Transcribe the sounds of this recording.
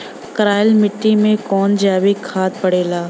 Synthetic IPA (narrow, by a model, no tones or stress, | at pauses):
kəɾaːɪlmɪʈːimẽkɔːnd͡ʒaːʋikʰːaːt̪̚pɐɽeːlaː